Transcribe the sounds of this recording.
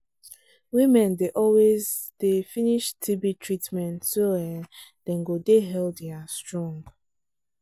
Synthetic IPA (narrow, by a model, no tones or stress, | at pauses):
wimɛ̃ndeʔɔlwezd̥efiniʃtʰibitʰɹitmɛ̃ntsowɛd̥ɛ̃ŋɡodeɦɛldɛastɹɔ̃ŋɡ